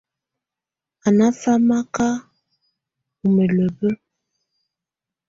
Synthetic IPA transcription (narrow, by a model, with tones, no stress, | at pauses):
a˨na˦fa˦ma˦ka˦ | u˨mə˨lə˨bə˦